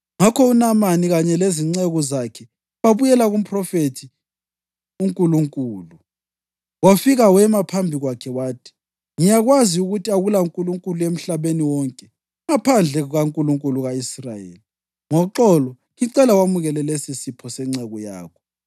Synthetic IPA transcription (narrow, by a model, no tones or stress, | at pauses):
ŋakʰɔunamaniɣaɲɛleziŋ͡ǀɛɣɔzakʰɛ | βaβujɛlaɣum̩pʰʼrɔfetʰi | uŋkʼuluŋkʼuːlu | wafiɣawɛmapʰambʱiɣwakʰɛwaːtʰi̥ | ŋijaɣwaziuɣutʰiaɣulauŋkʼuluŋkʼuluem̩ɬaβeniwɔŋkʼɛ | ŋapʰand͡ɮʱɛɣuɣaŋkʼuluŋkʼuluɣaisrajḛːli | ŋɔǁɔlɔ | ɣiǀɛlawamuɣɛlɛlesisipʰɔsɛŋ͡ǀɛɣɔja̰ːkʰɔ̥